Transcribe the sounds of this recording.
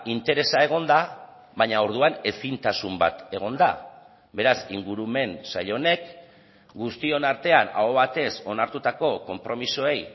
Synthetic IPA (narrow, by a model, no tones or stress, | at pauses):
int̪e̞ɾe̞sae̞ɣ̞o̞nd̪a | βaɲao̞ɾð̞uane̞sint̪asumba̰t̪e̞ɣ̞o̞nd̪a̰ | be̞ɾasiŋɡuɾume̞nsa̰ʎo̞ne̞k | ɡust̪io̞naɾt̪e̞ana̰oβat̪e̞so̞naɾt̪ut̪ako̞ko̞mpɾo̞misoe̞j